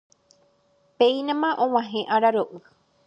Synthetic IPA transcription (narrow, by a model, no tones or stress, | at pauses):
peinãmãʔõw̃ãɦẽʔaɾaɾoʔɨ